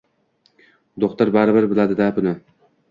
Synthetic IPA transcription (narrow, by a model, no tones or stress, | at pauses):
d̪oχt̪ʊɾbaɾɪbɪɾbɪlad̪ɪd̪abʊnɪ